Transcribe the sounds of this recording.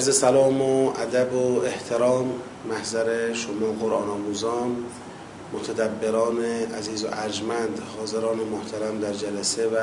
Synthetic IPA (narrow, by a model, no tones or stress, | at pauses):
æɾzesælɒːmoæd̪æboeht̪ʰeɾɒːmː | æhzæɾeʃomɒːɡoɾʔɒ̰ːnɒːmuːzɒːnː | ot̪ʰæd̪æbːe̞ɾɒːneæziːzo̰ʔæɾd͡ʒmænd̪hɒːzeɾɒːnemoht̪ʰæɾæmd̪æɾd͡ʒælæsevæ